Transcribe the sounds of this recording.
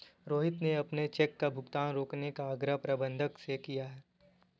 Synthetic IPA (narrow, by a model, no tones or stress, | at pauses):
ɾoːɦɪt̪neɐpnet͡ʃɛkːabʱʊɡt̪aːnɾoːknekaɐɡɾəɦpɾɐbə̃nd̪ʱəksekijaɦɛː